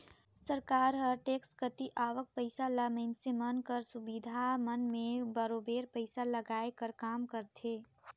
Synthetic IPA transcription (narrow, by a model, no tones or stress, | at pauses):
səɾkaːɾɦəɾʈeːkskət̪iʔaːʋək̚pəɪsalaməɪnsemənkəɾsʊbid̪ʱamənmẽbəɾoːbeːɾpəɪsaləɡaːekəɾkaːmkəɾt̪ʰeː